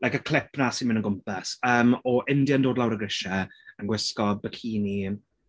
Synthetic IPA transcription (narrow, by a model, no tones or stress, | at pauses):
lajkəkʰl̥ɪpnasɪnmɪnə̃nɡʊmpasəːmɔʔɪndjandoːdlawɾəɡrɪʃɛənɡwɪskɔbəkʰiːnim